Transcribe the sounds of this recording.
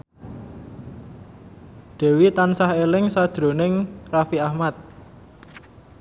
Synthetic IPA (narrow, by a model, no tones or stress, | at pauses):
d̪̥ɛ̤wit̪ansahelɪŋsad̥ɾo̤nɪŋrafiahmat̪̚